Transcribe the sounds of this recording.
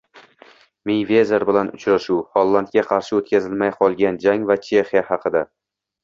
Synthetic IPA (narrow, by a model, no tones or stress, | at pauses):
mijvʲe̞zeɾbɪlanʊt͡ʃɾaʃuwhɒlˠːant̪̚kʲaqʰɑɾʃɪot̪kʲʰazɪlmajqʰɒlˠɡʲand͡ʒaŋvat͡ʃʰe̞χijahɑqʰɨd̪a